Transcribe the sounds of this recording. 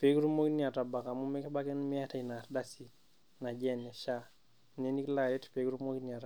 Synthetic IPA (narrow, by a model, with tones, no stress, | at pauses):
pe˨˦kɾu˦mo˦ki˦ni˦a˨ta˨ba˨ka˨mu˦mɛ˦kɛ˦ba˦kɛ˦n˦mi˦a˦ta˨i˨na˨tda˦si˨ | na˨d͡ʒɛ˦nɛ˨ʃa˦˨ | ne˦ni˦kla˨jɛ˦tpe˨˦kɾu˦mo˦ki˦nia˨ta˨